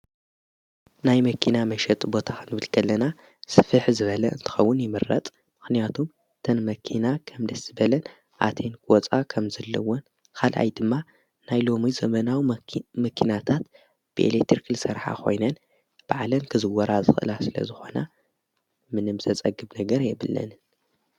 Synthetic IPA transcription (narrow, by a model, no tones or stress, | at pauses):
najmɐkʰinamɐʃɛt̪ʼbo̞t̪ʰakʰɨnɨβɨlkʰɐlːɐna | sɨfɨħzɨβɐlɐʔɨ̰nt̪ʰɨ̥xɐwːʊnjɪmɨrːɐ̰t̪ʼ | mɨxnijat̪ʰum | t̪ʰɐnmɐkʰinakʰɐmd̪ɐsɨbɐlɐn | ʔa̰t̪ʰe̞nkɔt͡sʼakʰɐmzɐlːɐwon | kʰalʔa̰jd̪ɨmːa | najlo̞mizɐmɐnawimɐkʰinat̪ʰat̪ | b̥ɨʔḛlekt̪ʰiɾkʰɨlsɐɾħa̰kʰo̞̰jnɐn | b̥aʕlɐnkʰɨzɨwːɐɾazɨxɨʔɨ̰lasɨlɐ̰zɨxo̞na | mɨnɨmzɐt͡sʼɐɡːɨbnɐɡɐɾjɛβɨlːɐ̰n